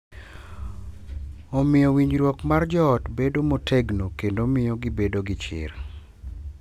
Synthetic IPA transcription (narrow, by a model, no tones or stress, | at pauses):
omɪjɔwiɲɾwɔkmard͡ʒɔːtbedomotʰeɡnokendomɪjɔɡɪbedoɡɪt͡ʃɪ̰r